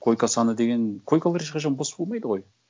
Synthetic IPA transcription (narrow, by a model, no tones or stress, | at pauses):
kʰo̞jkasɑnəd̪e̞ɡʲe̞nkʰo̞jkalˠɑɾeʃqʰɑʒɑnbosə̥b̥olˠmɑjd̪əʁo̞j